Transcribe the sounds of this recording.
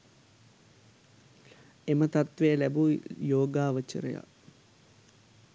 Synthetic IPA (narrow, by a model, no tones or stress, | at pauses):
emət̪at̪ʋejəlæbujoːɡaːʋət͡ʃə̰ɾə̰ja̰